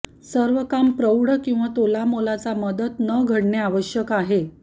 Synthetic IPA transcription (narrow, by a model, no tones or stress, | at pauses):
səɾʋəkampɾəwɽəkĩw̃ʋat̪olamolat͡saməd̪ət̪nəɡʱəɽɳeaʋəɕjəkaɦe